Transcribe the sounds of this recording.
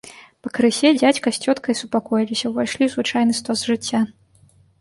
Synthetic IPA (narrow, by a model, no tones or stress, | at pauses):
pɐkɾɨsʲɛd͡zʲat͡sʲkɐsʲt͡sʲɔt̪kɐjisupakɔjilʲisʲɐwvajʂlʲiwzvɨt͡ʂajnɨst̪ɔzʐɨt͡sʲːa